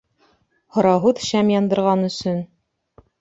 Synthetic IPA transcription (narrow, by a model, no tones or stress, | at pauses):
hŏɾɑɦuðɕæmjɑnd̪ɤ̆ɾʁɑnɵ̆sɵn